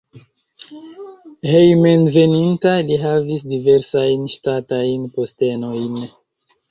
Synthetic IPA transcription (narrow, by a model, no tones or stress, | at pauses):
hejmenve̞nintaliɦavisdive̞ɾsajnʃtatajnpo̞ste̞no̞jn